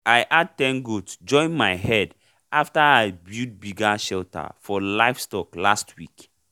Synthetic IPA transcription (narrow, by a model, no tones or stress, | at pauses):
ajʔad̚tɛ̃nɡudsd͡ʒɔ̃ɪ̃nmaɪɦɛd | ʔaftaaɪbud̚biɡaʃɛlta̰fɔlaɪfstɔklastʰwik